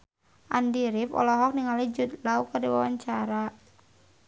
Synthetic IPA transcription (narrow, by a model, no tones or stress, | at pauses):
ʔandiɾipɔ̰lɔɦɔk̚niŋalid͡ʒut̪̚laukardiwa̰wa̰ɲt͡ʃaɾa